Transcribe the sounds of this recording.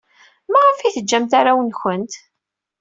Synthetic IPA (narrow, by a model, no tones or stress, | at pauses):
mæʁəfiθəd͡ʒːæmt̪aɾawənçənt̪